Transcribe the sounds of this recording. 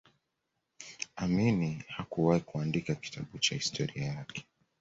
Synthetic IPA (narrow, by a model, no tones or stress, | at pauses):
aminihakuwahikuandikaki̥tʰaɓut͡ʃahistʰɔɾiajakɛ̥